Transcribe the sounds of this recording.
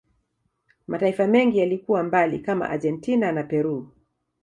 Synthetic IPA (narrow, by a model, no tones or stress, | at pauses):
mataifamɛŋɡijalikuwambalḭkama̰ʔa̰ʄɛntinanapɛɾu